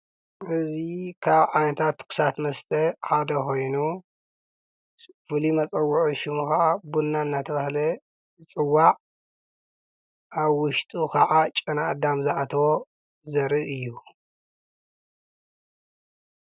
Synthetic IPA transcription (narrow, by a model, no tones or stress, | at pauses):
ʔɨzikʰaβʕanɐt̪ʰat̪ːkʰu̥sat̪mɐst̪ʼʰɐħad̪ɐkʰo̞jnu | fɨlimɐt͡sʼɐwːuʕuʃɪmukaʕabunːaɨnːat̪ʰɐβahlɐ | ɨt͡sʼɨwːaʔʼ | aβwʊʃt̪ʼukʰɐʕat͡ʃʼɨnaːd̪amzɨʔat̪ʰɐwo | zɐɾɨʔɨjːu